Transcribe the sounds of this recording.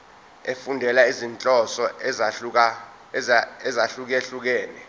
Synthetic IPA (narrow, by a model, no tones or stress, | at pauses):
efundʱɛlaizint͡ɬʼɔsɔ | ɛzaɬuk̬eɬuk̬ɛːnɛ